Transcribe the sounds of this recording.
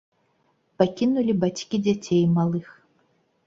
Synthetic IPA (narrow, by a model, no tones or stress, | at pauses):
pakʲinulʲibat͡sʲkʲid͡zʲat͡sʲejmalˠɨx